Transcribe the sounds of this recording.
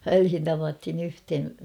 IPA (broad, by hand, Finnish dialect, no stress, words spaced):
ʋælhin tɑʋɑthin yhthen̞